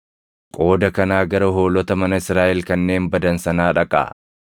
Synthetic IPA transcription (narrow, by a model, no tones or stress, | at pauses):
kʼo̞ːd̪ɐkɐnaːɡɐɾɐɦo̞ːlɔt̪ɐmɐnɐɪsɾaːʔɛlkɐnːe̞ːmbɐd̪ɐnsɐnaːᶑɐkʼa̰ː